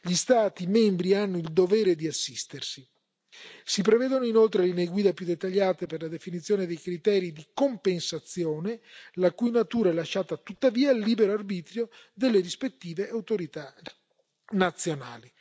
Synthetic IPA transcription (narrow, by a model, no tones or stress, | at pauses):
ʎist̪aːt̪imɛmbɾianːoild̪ovɛːɾed̪iasːist̪ersi | sipɾevɛːd̪onoinolt̪ɾelineːɡwiːd̪apjud̪ːet̪ːaʎːaːt̪eperlad̪efinit̪sːjoːned̪ejkɾit̪ɛːɾid̪ikompensat̪sːjoːnelakujnat̪uːɾaɛlːaʃːaːt̪at̪ut̪ːaviːalːiːbeɾoarbiːt̪ɾjo | d̪elːeɾispet̪ːiːveʔawt̪oɾit̪a | nat̪sːjona̰ːli